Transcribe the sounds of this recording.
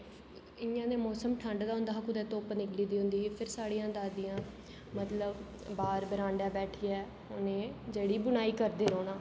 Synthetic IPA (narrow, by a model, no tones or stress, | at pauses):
ɪãːneːmɔːsəmʈʰə̃ɳɖd̪aːɦʊ̃nd̪aːɦkʊd̪ɛːt̪oːpnɪkliːd̪iːɦʊ̃nd̪iːpʰɪɾsaːɽijãːd̪aːd̪ɪjãː | mət̪ləbː | aːɾbəɾãːɳɖɛːbɛːʈʰiːɛː | ʊnẽːd͡ʒeːɽiːbʊnaːiːkəɾd̪eːɾoːnaː